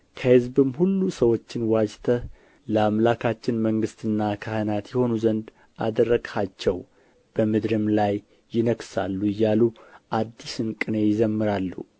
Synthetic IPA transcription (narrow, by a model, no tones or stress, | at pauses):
kʰəhɨzbɨmhulːusəwo̞t͡ʃːɪnwad͡ʒt̪ʰə | ləamlakʰat͡ʃːɪnməŋɡɨst̪ʰɨnːakʰahɨnat̪jɛho̞nuzənd̪ | ʔa̰d̪ərːəɡat͡ʃːɛw | b̥əmɨd̪ɾɨmlajː | ɪnəksalːuɨjːaluʔad̪ːisɨnkʼɨnejɪzəmːɨɾalːṵ